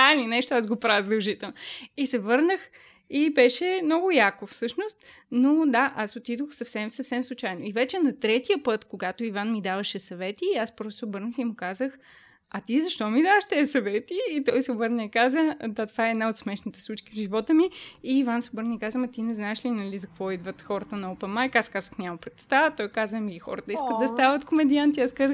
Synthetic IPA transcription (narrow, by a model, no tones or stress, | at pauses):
aninɛʃt̪oazɡopɾavzd̪əlˠʒit̪ɛlˠnoisɛvɤɾnəx | ibɛʃɛmnɔɡʊjakofsɤʃnost̪ | nod̪aʔasot̪id̪oxsɐfsɛmsɐfsɛmslˠʊt͡ʃajnoivɛt͡ʃɛnɐt̪ɾɛt̪ijəpɤt̪koɡat̪oivanmid̪avəʃɛsɐvɛt̪iaspɾɔssɛobɤɾnəximʊkazəx | ɐt̪izɐʃt̪ɔmid̪avəʃt̪ɛɐsɐvɛt̪iːt̪ɔjsɛobɤɾnʲəikazəd̪at̪ovaɛɛd̪naot̪smɛʃnit̪ɛslˠut͡ʃkivʒivɔt̪əmiiːvansɛobɤɾnəikazəmɐt̪inɛznaɛʃlinɐlizɐkvɔid̪vət̪xɔɾət̪ənɐɔpəmajkaskazəxnʲamɐpɾɛt̪st̪avət̪ɔjkazəmiixɔ̰ɾət̪əiskət̪d̪ɐst̪avət̪komɛd̪iant̪iaskazəx